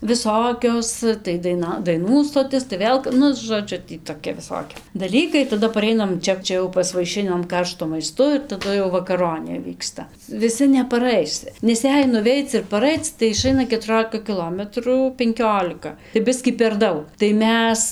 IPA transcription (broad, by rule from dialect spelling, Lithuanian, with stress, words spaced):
ʋʲɪˈsoːkʲoːs tɐɪ dɐɪˈnɐ dɐɪˈnuː stoːˈtʲɪs tɐɪ ˈʋʲeːlˠ ˈnʊ ʒoːˈd͡ʒʲʊ tʲiː toːˈkʲɛ ʋʲɪˈsoːkʲɛ dɐˈlʲiːkɐɪ tɐˈdɐ pɐˈrʲɛɪnɐm ˈt͡ʃʲɛ ˈt͡ʃʲɛ jɛʊ pɐsʋɐɪˈʃʲɪnɐm ˈkɐrʃtʊ mɐɪˈstʊ ɪr tɐˈdʊ jɛʊ ʋɐkɐˈroːnʲeː ˈʋʲiːkstɐ ʋʲɪˈsʲɪ nʲɛpɐˈrɐɪs nʲɛs ˈjɛɪ nʊˈʋʲɛɪt͡s ɪr pɐˈrɐɪt͡s tɐɪ ɪˈʃɐɪnɐ kʲɛtʊˈroːlʲɪkɐ kʲɪˈlˠoːmʲɛtruː pʲɛŋʲˈkʲoːlʲɪkɐ tɐɪ ˈbʲɪsʲkʲiː pʲɛr ˈdɐʊk tɐɪ ˈmʲɛs